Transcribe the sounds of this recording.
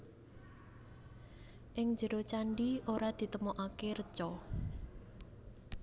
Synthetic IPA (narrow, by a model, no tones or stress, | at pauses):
ʔɪŋd͡ʒə̤ɾot͡ʃaɳɖioɾad̪̥i̤t̪əmoʔakeɾət͡ʃɔ